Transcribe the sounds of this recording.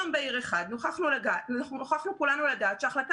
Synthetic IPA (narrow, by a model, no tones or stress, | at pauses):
mbeiʁeχad̪noχaχnulaɡanoχaχnukulanuladaːt̪ʃeaχlat